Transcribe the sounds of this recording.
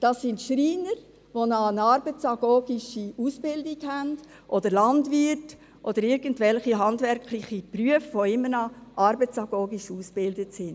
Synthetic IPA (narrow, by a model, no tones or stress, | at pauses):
d̥ɑsːɪntʃɾiːnəɾ | ʋonɑnɑɾbət͡sɑɡ̥oːɡ̥ɪʃiusb̥ɪldiɡhænd̥ | ʔɔdəɾlɑndvɪt | ʔɔd̥əɾɪɾɡ̥əntvɛlχiɦɑndvɛɾkʰlɪχipryəfʋoɪmːəɾnɑʔɑɾbət͡sɑɡ̥oːɡiʃuːsb̥ɪldətsɪnd